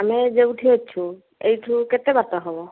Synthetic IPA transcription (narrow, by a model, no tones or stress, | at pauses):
amɛzeuʈʰiɦotːt͡ʃʰu | ejtʰukɛt̪ɛbat̪ɔɦɔbɔ